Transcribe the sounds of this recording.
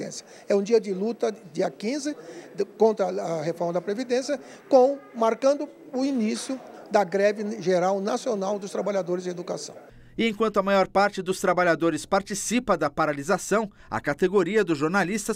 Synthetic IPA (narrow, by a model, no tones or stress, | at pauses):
ḛ̃sjɐ | ɛũd͡ʒiɐd͡ʒɪlut̪ɐd͡ʒiɐkĩzɪkõnt̪ɾɐːɦefɔɾmɐd̪ɐpɾevid̪ẽsjɐ | kõmaɾkɐ̃nd̪ʊ | ʊinisjʊd̪ɐɡɾɛvɪʒeɾawnasionawd̪ʊst̪ɾabaʎad̪oɾɪzed̪ukasɐ̰̃w̃ | ɪẽkwɐ̃nt̪ʊɐmajɔɾpaɾt͡ʃɪd̪ʊst̪ɾabaʎad̪oɾɪspaɾt͡ʃisipɐd̪ɐpaɾalizasɐ̃w̃ | ɐ̰kat̪eɡoɾiɐd̪ʊʒoɾnalist̪ɐ